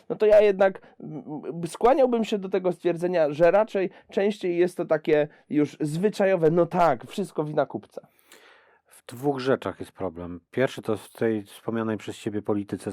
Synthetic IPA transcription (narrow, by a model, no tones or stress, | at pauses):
nɔt̪ɔjajɛd̪nak | skwaɲawbɘmɕɛd̪ɔt̪ɛɡɔst̪fʲjɛɾd̪zɛɲaʐɛɾat͡ʂɛj | t͡ʂɛ̃w̃ɕt͡ɕejːɛst̪ːɔt̪akʲɛ | juʐzvɘt͡ʂajɔvɛnɔt̪akfʂɨst̪̚kɔvʲinakupt̪sɛ̥ | v̥d̪̥vuɣʐɛt͡ʂaxjɛst̪pɾɔblɛmpʲjɛɾfʂɘt̪ɔft̪ʰɛjfspɔmʲɲanɛjpʂɛst͡ɕebʲjɛpɔlʲit̪ɘt̪sɛ